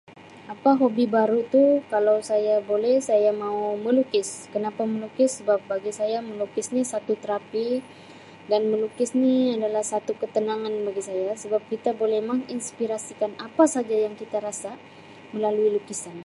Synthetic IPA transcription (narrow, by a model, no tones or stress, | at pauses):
apaɦobibaɾut̪ukalawsajabolɛhsajamauməlukɪskənapaməlukɪsːəbap̚baɡisajaməlukɪsnisat̪ut̪əɾapi | danməlukɪsniadalahsat̪ukət̪ənaŋanbaɡisajasəbap̚kit̪abolɛmaŋinspiɾasikanapasad͡ʒajaŋkit̪aɾasa | məlaluilukisan